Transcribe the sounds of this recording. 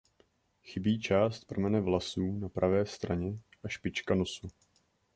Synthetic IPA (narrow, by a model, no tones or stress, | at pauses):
xɪbiːt͡ʃaːst̪̚pr̩mɛnɛvlasuːnapɾʔavɛːst̪ɾaɲɛʔaʃpɪt͡ʃkanosu